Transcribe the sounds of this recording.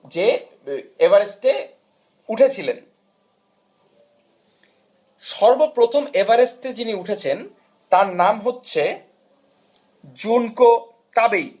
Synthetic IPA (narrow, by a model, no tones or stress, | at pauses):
d͡ʑe | ebaɾesʈe | uʈʰet͡ɕʰilen | ʃɔɾbopɾot̪ʰomebaɾesʈed͡ʑiniuʈʰet͡ɕʰen | t̪aɾnamɦotːɕʰe | d͡ʑunko | t̪abej